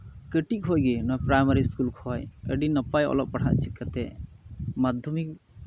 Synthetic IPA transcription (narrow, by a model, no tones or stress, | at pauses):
kəʈik̚ɦojɡinɔjpɾajmaɾiskulkʰɔjə̰ɖinəpajɔ̰lɔp̚paɽ̤ʰa̰ʔt͡ʃʰikːat̪ɛ | mad̪ʱjɔmik̚